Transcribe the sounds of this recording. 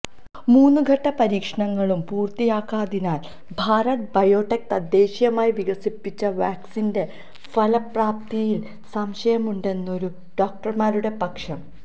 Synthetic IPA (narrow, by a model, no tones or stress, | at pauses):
muːnːuɡʱɐʈːɐpɐɾiːkʂɐɳɐŋːɐɭumpuːrt̪ijaːkːaːðinaːl | bʱaːɾɐt̪̚bɐjoːʈːek̚t̪ɐd̪ːe̞ːɕjɐmaːjiʋiɡɐsipːit͡ɕːɐʋaːksinde̞ | fɐlɐpraːpt̪ijil | sɐmɕɐjɐmuɳɖe̞nːo̞ɾu | ɖo̞ːk̚ʈɐrmaːɾuɽe̞pɐkʂɐm